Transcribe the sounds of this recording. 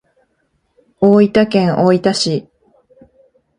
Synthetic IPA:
oːit̪akẽ̞ɰ̃ʔoːit̪aɕi

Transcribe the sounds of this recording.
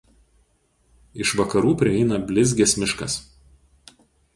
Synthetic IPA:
ɪʃʋɐkɐɾuːpʲɾʲɪɛɪnɐbʲlʲɪzʲɡʲɛsʲmʲɪʃkɐs

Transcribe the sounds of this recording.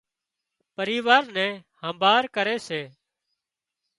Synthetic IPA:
pəɾiːʋaːɾnɛ̃ːhəmbʱaːɾkəɾeːseː

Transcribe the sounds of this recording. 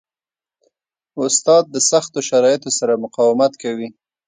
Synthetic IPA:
ʊst̪ɑd̪̚ːəsaxt̪oʃaɾɑjɪt̪osaɾamʊqɑwɪmat̪kawi

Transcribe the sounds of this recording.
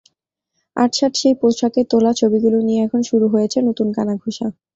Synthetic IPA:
a̰ʈʃaʈʃejpoʃaket̪olat͡ɕʰobiɡulonijeɛkʰonʃuɾuɦojet͡ɕʰenot̪unkanaɡʱuʃa

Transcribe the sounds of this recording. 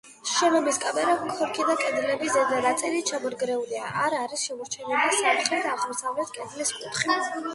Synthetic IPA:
ʃɛnɔmiskʼabɛɾakʰɔɾkʰid̪akʼɛd̪lɛbizɛd̪aɾat̪sʼɛɾit͡ʃʰamɔɾɡɾɛuliaʔaɾaɾisʃɛmɔɾt͡ʃʰɛnɛlisapt̪χlɛt̪ʰaʁmɔsavlɛt̪̚kʼɛd̪liskʼut̪χi

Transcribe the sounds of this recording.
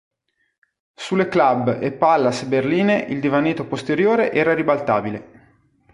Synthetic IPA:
sulːeklabːepːalːasberliːneʔild̪ivanːiːt̪opost̪eɾjoːɾeʔɛːɾaɾibalt̪aːbile

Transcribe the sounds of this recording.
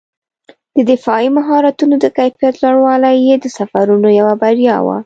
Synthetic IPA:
d̪̥əd̪ɪfɑimaɦɑɾat̪unod̪əkajfijat̪laɽwɑlajed̪əsafaɾunojawabaɾjɑ̰wa̰

